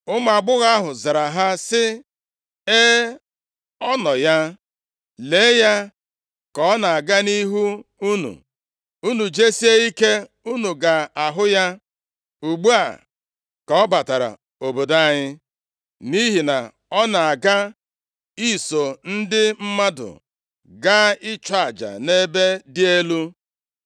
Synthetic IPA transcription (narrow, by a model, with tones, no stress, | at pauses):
ʊ˦ma˨a˨ɡ͡bʊ˦ɣa˦a˦ɦʊ˨za˨ɾa˨ɦa˦sɪ˦ | e˦ | ɔ˦nɔ˨ja˦ | le˨˦ja˦ | kɔ˨˦na˨a˨ɡa˦ni˦ɦu˦u˦nṵ˨ | u˦nu˨d͡ʒe˦si˦e˦i˦ke˦ | u˦nu˨ɡa˨a˨ɦʊ˦ja˦ | u˨ɡ͡bu˦a̰˨ | kɔ˦ba˨ta˨ɾa̰˨ | o˨bo˨da˦˨ɲɪ˦ | ni˦ɦi˨na˨ | ɔ˦na˨a˨ɡa˦ | i˦˨so˨n̩˦dɪ˦m̩˦ma˦dʊ̰˨ | ɡa˦ɪ˦t͡ʃa˦a˨d͡ʒa̰˨ne˦be˦dɪ˦e˦lu˦